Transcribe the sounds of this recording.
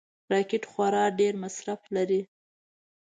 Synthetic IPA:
ɾɑkɪʈxwaɾɑɖeɾmasɾaflaɾi

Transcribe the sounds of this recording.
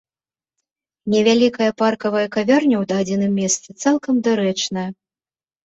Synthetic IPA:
nʲɛvʲalʲikɐjɐparkɐvɐjɐkavʲarnʲɐwd̪aːd͡zʲɛnɨmːʲɛst̪sɨt̪salˠkɐmd̪ɨɾɛt͡ʂnɐjɐ

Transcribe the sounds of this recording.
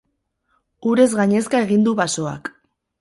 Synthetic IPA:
uɾe̞zɣaɲe̞skae̞ɣind̪uβaso̞a̰k

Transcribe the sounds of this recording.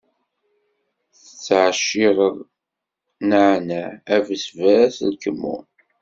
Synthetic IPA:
θət͡sːəʕʃːɪʁəðˤ | nəʕnæævəsvæɾæslkəmːṵn

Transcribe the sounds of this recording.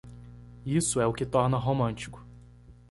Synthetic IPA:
isʊɛʊkɪt̪ɔɾnɐɦomɐ̃nt͡ʃi̥kʊ̥

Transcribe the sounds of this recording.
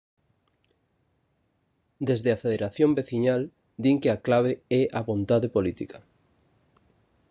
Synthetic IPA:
d̪ezðɪafeðeɾaθjõmbeθiɲal | d̪iŋkɪaklaβ̞eɛʔaβont̪aðepolit̪ikɐ

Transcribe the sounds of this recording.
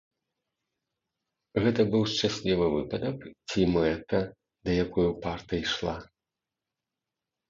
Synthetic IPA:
ɣɛt̪ɐbɨwʂt͡ʂasʲlʲivɨvɨpɐd̪ɐkt͡sʲimɛt̪ɐ | d̪ɐjakɔjupart̪ɐiʂlˠa

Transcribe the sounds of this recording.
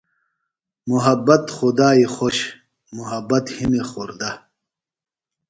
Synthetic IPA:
muɦɐbːɐt̪χud̪aːixoɕ | muɦɐbːɐt̪himexoɾd̪ɐ

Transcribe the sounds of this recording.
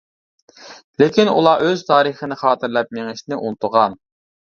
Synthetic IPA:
lekʲinṵlˠɑʔøz̥t̪ʰɑːɾəχənɪχɑːt̪ʰɨɾlɛp̚meŋɪʃnɪʔunt̪ʊʁɑn

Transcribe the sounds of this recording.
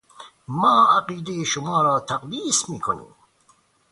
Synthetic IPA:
maːaqiːd̪ejiʃʊmɑːɾaːt̪ʰaqd̪iːsmiːkʰonḭː

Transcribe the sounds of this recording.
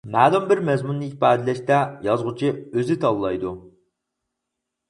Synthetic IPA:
mæːlɪmbɪɾmɛzmunːɨipɑːd̪ɪlɛʃt̪ɛjɑzʁʊt͡ʃʰiøzɪt̪ʰɑlˠlˠɑjd̪u

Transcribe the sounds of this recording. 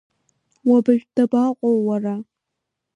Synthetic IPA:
wabɨʒᶣʷd̥abaqʷʼowːara

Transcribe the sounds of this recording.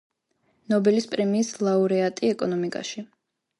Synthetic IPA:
nɔbɛlispʼɾɛmiːslˠauɾɛat̪ʼiɛkʼɔnɔmikʼa̰ʃi

